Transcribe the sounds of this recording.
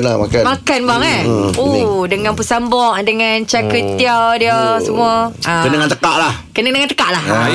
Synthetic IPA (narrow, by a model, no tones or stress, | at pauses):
nlama̰kamakanbaŋaodəŋãnpəsambɔʔdəŋant͡ʃakət̪iawdiəsəmũaakədəŋãnt̪əkaʔlah | kənədəŋant̪ə̥kaʔlah